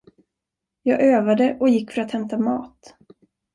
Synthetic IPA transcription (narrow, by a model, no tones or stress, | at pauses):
jɑːɡøːvad̪əʔɔjɪkːfœɾat̪hɛmt̪amɑ̰ːt̪